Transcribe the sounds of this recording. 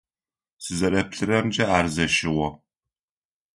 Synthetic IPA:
sɨzɐrɐpɬɨrɐmd͡ʒɐaːrzɐʃɪʁɔ

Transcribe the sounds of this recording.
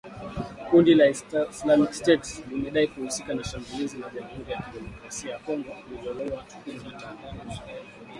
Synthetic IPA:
kundilaislamikstɛtslimɛɗaikuhusikanaʃambulizilaʄamhuɾijakiɗɛmɔkɾasiajakɔŋɡɔlilɔlɔaat͡ʃu̥kuziwatanvani

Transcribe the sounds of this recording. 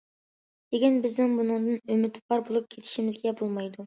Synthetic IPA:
d̪̥ekʲinbɪznɪŋbunɨŋd̪ɨnømɪt̪ʰpʰɑɾbolˠup̚kʲʰet̪ʰɪ̥ʃimɪzɡʲɛbolˠmɑjd̪u

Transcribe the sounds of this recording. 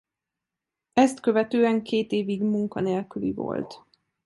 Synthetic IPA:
ɛst̪kø̞vɛt̪øːɛŋkʰeːt̪eːviɡmuŋkɒ̰neːlkylḭvo̞̰lt̪

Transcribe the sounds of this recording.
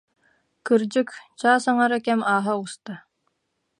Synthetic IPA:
kɯɾd͡ʑɯkt͡ɕaːsaŋaɾakɛmaːɦaust̪a

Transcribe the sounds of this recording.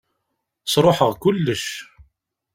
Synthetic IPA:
sˤɾˤoħəʁkʊlːəʃ

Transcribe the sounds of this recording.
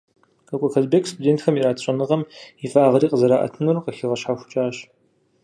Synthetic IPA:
qɐkʷʼɔxɐzbekʰʼstʰudeːntxɐmiraːtʰɕʼɐnɨʁɐmifʼaːʁɐɾiːqʼəzɐɾaːʔɐ̰tʰɨnurqɐxɪʁɐɕħaːxʷʊt͡ʃʼaːɕ

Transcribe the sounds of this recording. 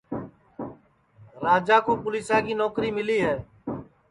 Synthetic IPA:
ɾaːd͡ʒaːkoːpʊliːsãːkiːnoːkɾiːmɪliːɦɛː

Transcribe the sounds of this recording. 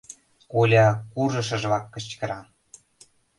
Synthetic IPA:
kolʲɑkurʒɤ̆ʃ̬ɤ̆ʒβɑkːə̆ɕkə̆ɾɑ

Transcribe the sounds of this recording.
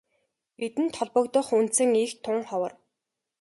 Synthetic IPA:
et̪ɘ̆nt̪ʰɔɮpɞ̆kt̪ɞ̆χunt̪sɘ̆ŋiːxt̪ʰʊnrχɔwɞ̆r

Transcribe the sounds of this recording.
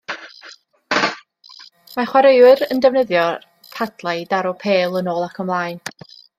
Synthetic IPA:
maχwaɾejwɨrəndɛvnəðjɔ | kʰadlˠajdaɾɔpʰeːlˠənoːlˠakʰəmlˠaːjn

